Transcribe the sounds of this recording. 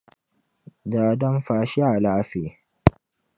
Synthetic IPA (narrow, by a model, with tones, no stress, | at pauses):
daː˨dɐ˦mɸaː˨ʃi˦a˨laː˦ɸe˨